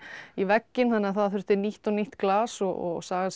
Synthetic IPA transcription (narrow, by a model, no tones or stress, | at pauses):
ivɛcːɪnθanːɪaθaðθʏɾ̥ht̪ɪɾniht̪ɔɣniht̪klaːsɔɔ̰ɣsaːɣa